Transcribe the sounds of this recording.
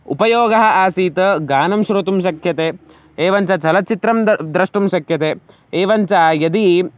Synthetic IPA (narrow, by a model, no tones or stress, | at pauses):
ṵpɐjoːɡɐɦɐ̆ʔaːsiːt̪ɐɡaːnɐmʃɾot̪umʃɐkʰjɐt̪eː | eːʋɐnt͡ʃɐt͡ʃɐlɐt͡ʃit̪ɾɐmd̪ɾɐʂʈumʃɐkʰjɐt̪eː | eːʋɐɲt͡ʃɐjɐd̪i